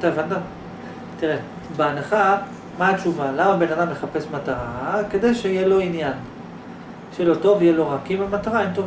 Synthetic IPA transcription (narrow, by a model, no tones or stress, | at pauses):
t̪aevand̪a | t̪iʁe | beanaχa | maːt͡ʃuvalamabe̞nad̪amle̞χape̞smataʁake̞d̪e̞jʃeijelo̞injan | ʃelo̞to̞vijelo̞ʁakimamat̪aʁaentov